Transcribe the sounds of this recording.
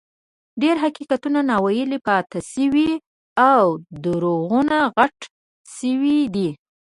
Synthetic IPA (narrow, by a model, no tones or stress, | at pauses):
ɖeɾɦakikat̪unanɑwajəlipɑt̪asəwi | awd̪əɾoɣunaɣaʈ | səwid̪i